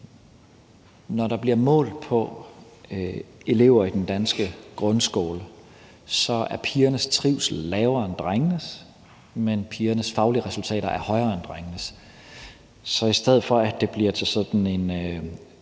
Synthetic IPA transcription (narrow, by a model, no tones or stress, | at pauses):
nɒɾɑ̈b̥liɐ̰mɔ̰̽ːlpʰɒ̽ | e̝le̝̰ʊ̰ɐid̥end̥ænsɡ̥əɡ̥ʁɔ̽nsɡ̥o̰ːlə | sɒ̽æɐpʰiːɐnəst͡sʰʁiʊ̰slɛːʊɐnd̥ʁaŋnəs | menpʰiːɐnəsfɑ̈ʊliəʁɛsult͡sʰɛ̰ːɾɐʔæɐhɒ̽ɪʁɐnd̥ʁaŋnəs | sɒ̽isd̥eð̞̰ˠfɒ̽æd̥e̝b̥liɐ̰t͡sʰe̝lsɒ̽d̥n̩e̝n